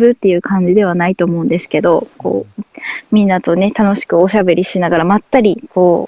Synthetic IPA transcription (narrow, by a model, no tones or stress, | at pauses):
bɯ̟t̪ːe̞jɯ̟ːkãɲ̟d͡ʑid̪e̞β̞anait̪oːmoɯ̟̃nd̪e̞sɨ̥ke̞d̪o̞ko̞̰ːmʲĩnːat̪o̞ne̞t̪ano̞ɕi̥kɯ̟o̞ɕabe̞ɾʲiɕinaɡaɾamat̪ːaɾʲiko̞ː